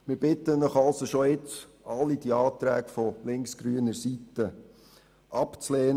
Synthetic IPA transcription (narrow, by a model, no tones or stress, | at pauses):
mɪɾbɪtənəχɑlsoʃoɪt͡s | ɑlːidiɑːt̪ɾæːkfɔlɪŋksɡ̥ɾyənəɾsitə | ʔɑpt͡slɛːn